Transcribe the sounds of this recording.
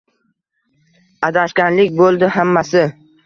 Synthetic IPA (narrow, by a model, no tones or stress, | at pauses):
ad̪aʃkʲanlɪkʲbolˠd̪ɪhamːasɪ